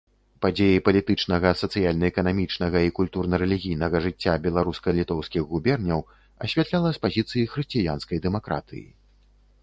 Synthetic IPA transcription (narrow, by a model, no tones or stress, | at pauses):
pad͡zʲejipɐlʲit̪ɨt͡ʂnɐɣɐsɐt̪sɨjalʲnɐɛkɐnamʲit͡ʂnɐɣɐikulʲt̪urnɐɾɛlʲiɣʲijnɐɣɐʐɨt͡sʲːabʲɛlˠaɾuskɐlʲit̪ɔwskʲiɣɣubʲɛrnʲɐw | ɐ̰ɕʲvʲat̪lʲalˠɐspazʲit̪sɨjixɾɨsʲt͡sʲijanskɐjd̪ɛmakɾa̰t̪ɨ̰jḭ